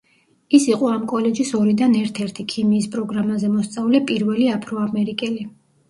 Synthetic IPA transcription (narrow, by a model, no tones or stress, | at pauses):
isiqʼɔamkʼɔlɛd͡ʒisɔɾid̪anɛɾt̪ʰɛɾt̪ʰikʰimiːspʼɾɔɡɾamazɛmɔst̪sʼavlɛpʼiɾvɛliapʰɾɔamɛɾikʼɛli